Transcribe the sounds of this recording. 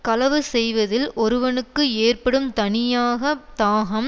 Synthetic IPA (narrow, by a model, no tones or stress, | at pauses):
kɐlɐʋɯsɛjʋɐðɪlʔɔɾɯʋɐnɯkːɯeːrpɐɽɯmt̪ɐɳɪjaːɣɐt̪aːɣɐm